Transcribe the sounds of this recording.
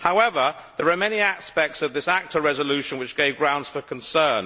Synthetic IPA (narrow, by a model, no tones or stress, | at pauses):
haʊɛvəðəɹəmɛniaspɛk̚tsəvðɪsak̚tʰəɹɛzəlʉˑʃə̃nwɪt͡ʃɡ̥eɪvɡɹãʊ̃ndz̥fəkʰə̃nsɜːn